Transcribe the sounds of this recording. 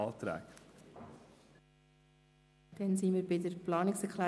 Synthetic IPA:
ɑlt̪ɾæ̰ːk | d̥ɛnsiːmɪɾbɪdəɾplɑːnɪksɛɾkʰlæː

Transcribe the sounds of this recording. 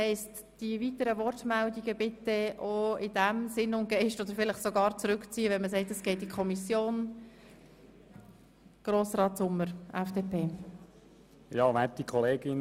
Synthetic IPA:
hɛɪst | d̥ivitəɾəvɔrtmældiɡəbɪtəʔoɪd̥æmsɪnʊnt̚ɡ̥ɛɪʃtod̪əɾfɪlɪχsoɡɑːɾt͡sɾʏkt͡siːəʋɛnməs̬ɛɪtəsɡ̥ɛɪt̚dikʰɔmisjoːn | ɡ̥roːsɾɑːtsʊmːəɾʔɛfd̥eːpʰeː | jɑːʋætikʰɔleːɡɪn

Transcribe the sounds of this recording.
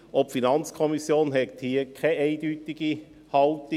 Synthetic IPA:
ʔɔpfinɑnt͡skʰɔmisjoːnɦɛt̪hiəkʰɛʔɛɪd̥yːtiɡ̥i | hɑltɪ

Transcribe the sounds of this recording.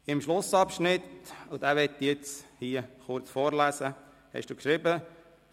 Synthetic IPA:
ɪmʃlʊsɑpʃnɪt̪ʊd̥̪æːʋɛt̪ːijet͡shiːəχʊɾt͡sfoːɾlæːsə | hɛ̰ʃd̥uːkʃɾɪbə

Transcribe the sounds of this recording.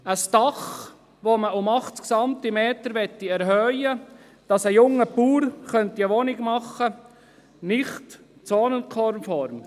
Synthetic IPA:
əsd̥ɑχ | ʋoməʊmɑχtksɑmt̪imeːt̪əɾʋɛt̪ːiɛɾɦœjə | d̥ɑsəjʊŋːəpuːrχœntiəʋɔnɪɡmɑχːə | nɪχt | t͡sɔːnənkʰɔɾmfɔɾm

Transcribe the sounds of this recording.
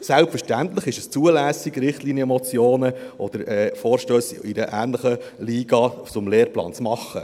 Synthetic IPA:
sælpfəɾʃtænt̪ləχɪʃəst͡suəlæːsiɡɾɪχtliːnjəmɔt͡sjoːnəʔɔd̥̪əɾɛːfoːɾʃtøːsɪdəʔæːnləχəliːɡ̥ɑt͡sʊmleːɾplɑ̰ːnt͡smɑχːə̰

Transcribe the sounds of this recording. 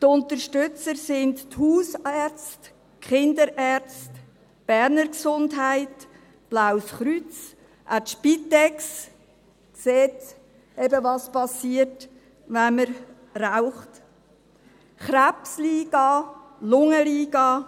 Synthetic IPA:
t̪ʊntəɾʃtʏt͡səɾsɪndthuːsɛɾt͡st | kχɪnd̪əɾʔæːɾt͡st | b̥ɛɾnəɾksʊndɦæɪt | b̥lawsχɾyt͡s | ʔatʃpitɛks | kseːt | ɛbəvɑspɑsiːət | ʋaməɾ | raʊχt | χɾapsliːɡ̥ɑ | lʊŋəliːɡɑ

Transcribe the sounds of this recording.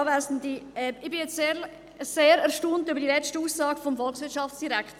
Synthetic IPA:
væːsn̩diɛɪb̥ɪjɛt͡seː | seːɾɛʁʃtoːntybəɾdilɛstəuːsːɑːɡ̥əfomfɔlχsʋɪɐtʃɑfsd̥iɾækχt

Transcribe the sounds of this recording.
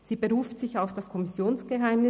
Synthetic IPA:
z̥iːbəʁuːftz̥ɪçaʊfd̥askʰɔmɪsjoːnsɡ̥əɦaɪmnɪ

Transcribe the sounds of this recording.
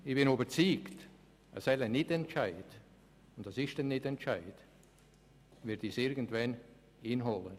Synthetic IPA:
ɪb̥ɪnobət͡siːkt | ɛsɛɪlanːɪtɛntt͡ʃaɪd̥ | ʊntɑsɪʃtɛnːɪtɛnt͡ʃaɪd̥ | vɪɐdiːsɪɾɡən̩tvɛn | iːnɦolən

